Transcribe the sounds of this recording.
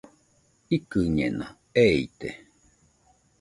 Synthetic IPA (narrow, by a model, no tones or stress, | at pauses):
ikɨɲḛna | eit̪e